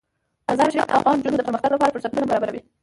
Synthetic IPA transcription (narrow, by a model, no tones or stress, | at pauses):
azɑmaʃaɾift̪a̰fɣɑnd͡ʒunod̪əpəɾməxt̪aɡlapɑɾapəɾsaɾt̪unabaɾɑbaɾawi